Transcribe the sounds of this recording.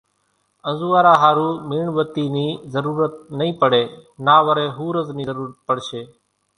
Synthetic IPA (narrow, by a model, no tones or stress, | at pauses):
ənzuːaːɾaːɦaːɾuːmiːɳʋət̪iːniːzəɾuːɾət̪̚nəĩːpəɽeːnaːʋəɾeːɦuːɾəzniːəɾuːɾət̪̚pəɽʃeː